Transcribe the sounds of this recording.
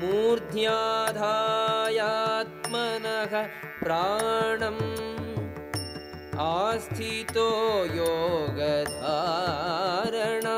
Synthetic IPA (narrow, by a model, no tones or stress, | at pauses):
muːɾd̪ʱjaːd̪ʱaːjat̪mɐnɐɦɐ | pɾaːɳɐm | aːst̪ʰit̪ojoːɡɐd̪ʱaː | ɾɐɳaː